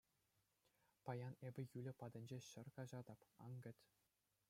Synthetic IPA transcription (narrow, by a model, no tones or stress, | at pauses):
pɑjɑnebʲɘ̆jylʲɘ̆pɑd̪ʲɘ̆nʲd͡ʑeɕɘ̆rkɑʑɑd̪ɑpɑ̰ŋɡʲɘ̆tʲ